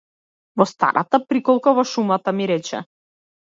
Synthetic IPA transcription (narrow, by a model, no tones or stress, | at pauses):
vɔst̪a̰ɾʔa̰t̪apɾikɔlˠkavɔʃumat̪amiɾɛt͡ʃɛ̰